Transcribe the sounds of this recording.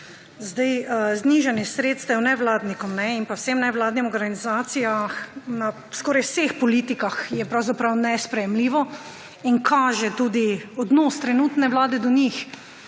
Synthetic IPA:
zd̪ajzniʒanjɛsɾeːt̪st̪ɛwnɛʋlaːd̪nikɔmnɛinpawsemnɛʋlaːd̪nimɔɡɾɡanizaːt̪sijaxna | skɔːɾajsexpɔliːt̪ikaxjɛpɾawzapɾawnɛspɾɛjɛmliːʋɔ | inkʰaːʒɛt̪uːd̪iɔd̪nost̪ɾɛnuːt̪nɛwlaːd̪ɛd̪ɔnix

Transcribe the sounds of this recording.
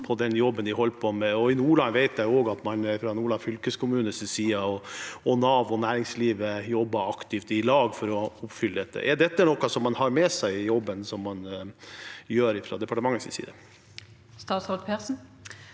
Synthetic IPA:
pʰɔd̪ɛnjɔbːənd̪ɪɦɔlːpʰɔmɛɔɪnuːɭɑnʋæɪt̪jæɪoːɡɑt̪mɑnfɾɑnuːɭɑnfʏlkəskʰʊmʉːnəsɪsiːɑɔɔnɑːʋɔnæːɾɪŋsliːʋəjɔbːɑɑkt̪ɪft̪ɪlɑːɡfɔɾɔʊpfʏləd̪ɛt̪ːə̰ʔɛɖɛt̪ːənɔkːɑsɔmːɑnhɑɾmɛsæɪjɔbːənsɔmːɑn | jøːɾɪfɾɑ̰d̪ɛpʰɑʈəmɑŋːəsɪ̰sḭːd̪ə | st̪ɑːt̪sɔlt̪pʰæːʁsn̩

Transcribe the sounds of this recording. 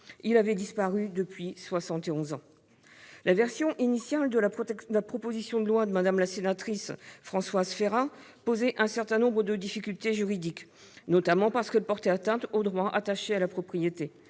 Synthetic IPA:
ilavɛd̪ispaʁyd̪əpɥiswasɑ̃t̪eɔ̃zɑ̃ | lʔavɛʁsjɔ̃ʔinisjald̪əd̪əlapχɔpozisjɔ̃d̪əlwad̪əmad̪amlasenat̪χisfχɑ̃swazfeʁa | pozɛʔɛ̃sɛʁt̪ɛ̃nɔ̃bʁəd̪əd̪ifikʲylt̪eʒyʁid̪ik | nɔt̪amɑ̃paʁsə̥kɛlpɔʁt̪ɛat̪ɛ̃t̪od̪ʁwaʔat̪aʃealapχɔpχijet̪e

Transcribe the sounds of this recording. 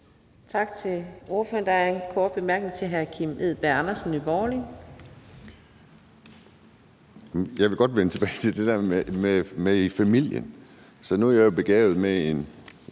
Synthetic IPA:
t͡sʰɑ̈ɡ̥t͡sʰe̝lo̝ɐføɐnd̥ɑkʰɔːd̥̚b̥emæɐɡ̥neŋt͡sʰe̝ɦæɐkʰimeð̰ˠb̥æɑnɐsn̩ibɒːli | jɑ̈ɪʋe̝ɡ̥ɒ̽d̥ʋent͡sʰeb̥ɛɪt͡sʰe̝ld̥e̝d̥æɐmemeifæmil̰jə̰n | sɒ̽nuæɐjajob̥e̝ɡ̥ɛːʊð̩ˠmee̝n

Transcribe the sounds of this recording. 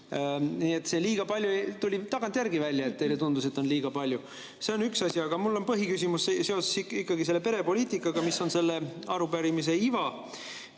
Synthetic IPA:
niːe̞t̪ːse̞liːɡ̥ɑpɑlʲjut̪ulʲit̪ɑɡ̥ɑnt̪jærɡivælʲjɑe̞t̪̚t̪ːe̞jle̞t̪und̪us̬e̞t̪ːˑo̞nliːɡ̥ɑpɑlʲju | se̞o̞nyksɑsʲiɑɡ̥ɑmulːo̞npɤɦikys̬ʲimusse̞ose̥siikːˑɑɡise̞lːe̞pe̞ɾe̞po̞lʲiːt̪ikːˑɑɡ̥ɑmiso̞nse̞lːe̞ɑɾupæɾimis̬e̞ivɑ

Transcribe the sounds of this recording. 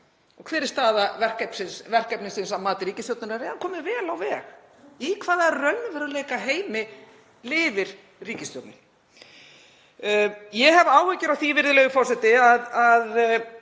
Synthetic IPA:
ɔɣkʰvɛːɾɪ̥st̪aːðavɛr̥kɛpn̥sɪnsvɛr̥kɛpnɪnsɪnsamaːt̪ɪɾiːcɪst̪jɔwt̪nʏɾaɾɛːðankʰɔːmɪvɛːlawvɛːɣ | ikʰvaːðaɛrœnʏvɛɾleːjkaɦeːjmɪ | lɪːvɪɾ̥ | riːcɪst̪jɔwt̪nɪn | jɛɦɛvaːwhɛcɪɾawθivɪɾðɪlɛɣʏfɔr̥sɛt̪ɪaðað

